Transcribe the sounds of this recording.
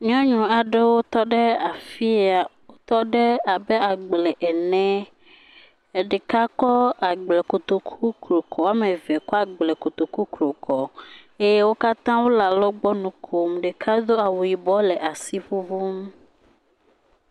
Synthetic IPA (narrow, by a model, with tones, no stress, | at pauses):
ɲɔ̃˦ɲũ˨a˨ɖe˦wo˦t̪ɔ˦ɖe˦a˨fi˦a˨wo˦t̪ɔ˦ɖe˦a˨be˦a˨ɡ͡blɛ˨ʔɛ˨nɛ̃˨˦˨ | ɖe˨ka˦kɔ˦a˨ɡ͡ble˨ko˨t̪o˨kʰu˦klo˨kʰɔ˨wa˦mẽ˨ve˨kɔ˦a˨ɡ͡ble˨ko˨t̪o˨ku˦klo˨kʰɔ˨e˦je˦wo˦ka˦t̪ã˦wo˦la˨lɔ˦ɡ͡bɔ˦nũ˨kʰo˨mɖe˨kʰa˦d̪o˦a˨wu˨ji˨bɔ˦le˨ʔa˨si˦ɸu˦vu˦m